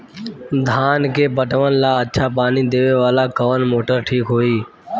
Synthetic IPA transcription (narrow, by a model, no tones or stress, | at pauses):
d̪ʱaːnkeːpəʈʋənlaːətːʃʰaːpaːniːd̪eːʋeːʋaːlaːkəʋənmoːʈəɾʈʰiːkɦoːiː